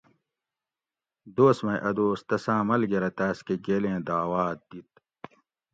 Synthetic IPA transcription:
d̪oːsmɐjʔɐd̪oːst̪ɐsãːmɐlɡeɾɐt̪aːskeɡeːlẽːd̪aːwaːt̪̚d̪it̪̚

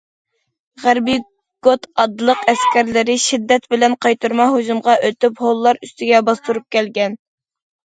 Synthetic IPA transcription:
ʁæɾbi | ɡ̥ot̪ɑd̪lˠəqɛskʲɛɾlɪɾɪʃid̪ːɛt̪bɪlɛnqʰɑjt̪uɾmɑɦoʒumʁɑʔøt̪ypholˠːɑɾyst̪ɪɡʲɛbɑst̪uɾup̚kʲʰɛlɡʲɛn

